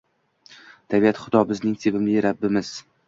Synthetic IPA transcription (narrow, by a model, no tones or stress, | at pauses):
t̪ʰabiat̪χʊd̪ɒbɪznɪŋsʰebɪmlɪɾabːɪmɪz̥